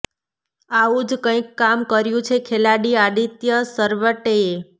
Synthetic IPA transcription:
aũd͡ʒkə̃ikːamkəɾjũt͡ʃʰekʰelaɽiad̪it̪jəsəɾʋəʈee

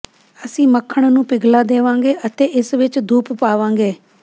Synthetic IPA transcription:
əsĩːməkʰːəɳ̃nũːpɪɡlaːd̪eːʋãːŋɡeːʔət̪eːʔɪsʋɪt͡ʃd̪ʱuːppaːʋãːŋɡeː

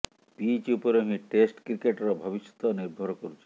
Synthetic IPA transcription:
pit͡ɕupoɾeŋiʈesʈkɾikeʈɾabʱɔbisi̥t̪oniɾbʱɔɾkoɾut͡ɕʰe

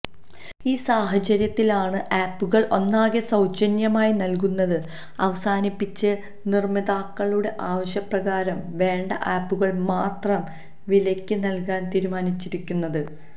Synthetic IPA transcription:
iːsaːɦɐt͡ɕɐɾjɐt̪ːilaːɳɨʔaːpːuɣɐɭʔo̞nːaːɣesɐwt͡ɕɐnjɐmaːjinɐlk̬unːɐðɨ | ɐʋɐsaːnipːit͡ɕːɨ | nirmid̪aːkːɐɭuɽe̞ʔaːʋɐɕjɐprɐɣaːɾɐmʋe̞ːɳɖɐ̰ʔaːpːuɣɐɭmaːt̪rɐm | ʋilɐkʲːɨnɐlkaːnt̪iːɾumaːnit͡ɕːiɾikʲːunːɐðɨ

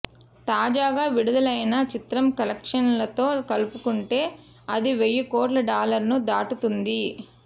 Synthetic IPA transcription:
t̪aːd͡ʒaːɡaːʋiɽud̪ɐlɐjnɐt͡ʃit̪ɾɐmkɐlɐkʂɐnlɐt̪o̞ːkɐlupukuɳʈe̞ː | ɐd̪iʋejːuko̞ːʈlɐɖaːlɐɾnud̪aːʈut̪und̪i

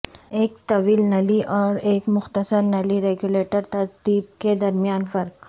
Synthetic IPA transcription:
eːk̚t̪ɐʋiːlnɐliʔɔːɾeːkmʊxt̪əsəɾnɐliɾeːɡjuleːʈəɾt̪ɐɾt̪iːb̚ked̪ɐɾmijaːnfɐɾk

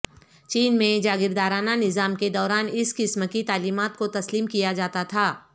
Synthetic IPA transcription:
t͡ʃiːnmẽd͡ʒaːɡɪɾd̪aːɾaːnanɪzaːmked̪ɔːɾaːnɪskɪsmkit̪aːliːmaːt̪̚kot̪ɐsliːmkijad͡ʒaːt̪at̪ʰaː

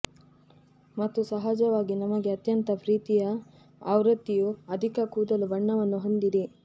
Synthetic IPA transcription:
mɐt̪ːusɐɦad͡ʒɐʋaːɡinɐmɐɡe̞ɐt̪jɐnt̪ɐpɾiːt̪ijɐː | wɾɐt̪ːijuɐd̪ʱikɐkuːd̪ɐlubɐɳːɐʋɐnːuɦond̪iɾi

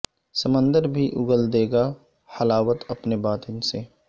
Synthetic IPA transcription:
səmə̃nd̪əɾbʱiʔʊɡəld̪eːɡa | hɐlaːʋət̪ɐpnebaːt̪ɪnse

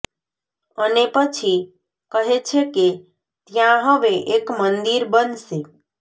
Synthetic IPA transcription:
ənepət͡ʃʰi | kəɦet͡ʃʰeke | t̪jãɦəʋeʔekmənd̪iɾbənse

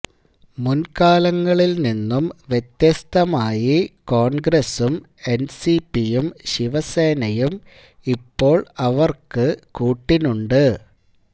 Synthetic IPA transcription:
munkaːlɐŋːɐɭilninːumʋjet̪jɐst̪ʰɐmaːjiko̞ːɳɡɾesum | e̞nsipijumɕiʋɐse̞ːnɐjum | ipːo̞ːɭɐʋɐrkɨkuːʈːinuɳɖɨ

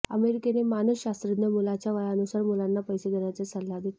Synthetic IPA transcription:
ə̰meɾikenemanusɕast̪ɾəd̪jəmulat͡ɕjaʋajanusaɾmulanːapəjseɡ̪ʱəɽat͡sesəlːad̪e

